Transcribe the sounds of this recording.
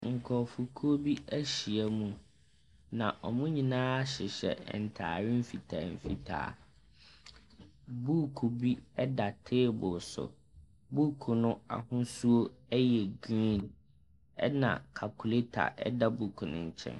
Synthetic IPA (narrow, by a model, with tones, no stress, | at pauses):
ŋ̩˨kʰɔ˨fu˨kʰu˦o˦bi˦æ˦ɕi˨a˦mũ˨ | nã˨ʔɔ˨mũ˦ɲĩ˨nãː˦a˦ɕɪ˨ɕɛ̰˨n̩˨tʰa̰ː˨ɾɪ˦m̩˦fi˨tʰa̰ː˨m̩˨fḭ˦tʰa̰ː˨˦˨ | bu˦kʰu˨bi˦ɛ˦da˨tʰɪː˦bʊ˨sʊ̰˨ | bu˦kʰu˨nʊ̃˦a̰˨hʊ̃˦su˦o˦ɛ˦jɛ˨ɡĩ˦˨n | ɛ̰˦nã̰˨kʰa˨kʰu˨le˦tʰa̰˨ʔɛ̰˦da˦bu˨kʰũ˨nʊ̰̃˨ɲ̩˨t͡ɕʰɛ̰̃˦n